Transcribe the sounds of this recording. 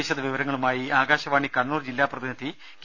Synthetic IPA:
eɕɐðɐʋiʋɐɾɐŋːɐɭumaːjiaːɡaːɕɐʋaːɳikɐɳːuːrd͡ʑilːaːprɐðinɐd̪ʱi | k

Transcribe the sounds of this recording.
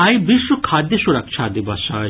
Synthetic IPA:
ajbiʃːokʰad̪ːeʃuɾak̚t͡ʃʰad̪ibaʃa

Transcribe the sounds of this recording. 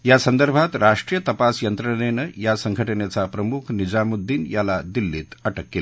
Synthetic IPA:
jasənd̪əɾbʱat̪ɾaʂʈɾijət̪ɐpasjənt̪ɾənenəjasəŋɡʱəʈənet͡sapɾəmukʰnid͡zamud̪ʱːiːnjalad̪ilːiːt̪əʈəkːel

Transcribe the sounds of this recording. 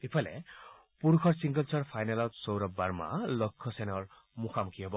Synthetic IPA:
ipʰalḛ | puɾukʰɔɾsiŋɡʌlt͡sɔrpʰajnalɔt̪sɔwɾɔbaɾma̰lɔkʰːɔsenɔr | muxʰamukʰiɦebɔ

